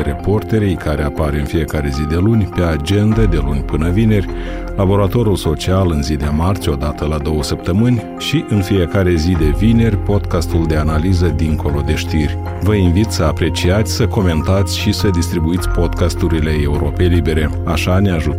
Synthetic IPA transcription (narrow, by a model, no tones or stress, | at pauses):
ɾe̞po̞rt̪e̞ɾejkʰaɾe̞apaɾeɨnfije̞kaɾe̞zid̪e̞lunʲpe̞ad͡ʒe̞nd̪əd̪e̞lunʲpɨnəvine̞rʲ | labo̞ɾat̪o̞ɾulso̞t͡ʃialɨnzid̪emart͡ʃʲo̞d̪at̪əlad̪o̞wəsəp̚t̪əmɨnʲ | ʃiʔɨnfije̞kaɾe̞zid̪e̞vine̞rʲpo̞d̪kast̪uld̪e̞analizəd̪iŋkʰo̞lo̞d̪e̞ʃt̪irʲ | vəinvit̪ʲsəapɾe̞t͡ʃiat̪sʲsəko̞me̞nt̪at̪sʲʃisəd̪ist̪ɾibuit̪sʲpo̞d̪kast̪uɾile̞e̞uɾo̞pe̞jlibe̞ɾe̞ | aʃaneaʒu